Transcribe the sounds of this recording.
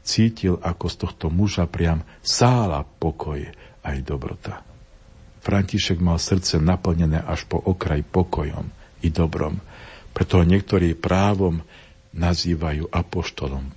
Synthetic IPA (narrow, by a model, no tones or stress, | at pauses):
t͡siːcilʔakɔst̪ɔxt̪ɔmuʒapɾɪamsaːla̰pɔkʰɔjajd̪ɔbɾɔ̰t̪a | fɾʔaɲciʃɛɡmalsr̩t͡sɛnapl̩ɲɛnɛːʔaʃpɔʔɔkɾajipɔkɔjɔ̰mid̪ɔbɾɔ̰mpɾɛt̪ɔɦɔɲɪɛkt̪ɔɾiːpɾaːʋɔm | naziːʋajuːʔapɔʃt̪ɔlɔm